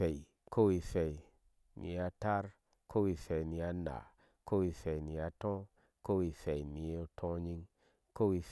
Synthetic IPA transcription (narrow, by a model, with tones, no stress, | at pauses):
e˨i˨ | ko˦wi˧se˨i˨ | nḭ˨a˧ta˦ɾ | ko˦wi˧se˨i˨ni˨a˧na̰˨ | ko˦wi˧se˨i˨ni˨a˧tõ˦ | ko˦wi˧se˨i˨ni˨e˦˨˧tʰõ˦ɲi˦ŋ | ko˦wi˧